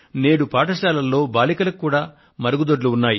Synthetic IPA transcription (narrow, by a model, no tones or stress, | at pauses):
ne̞ːɽupaːʈɐʃaːlɐlːo̞ːbaːlikɐlɐkukːuːɽaː | mɐɾɐɡud̪oɖluunːaːji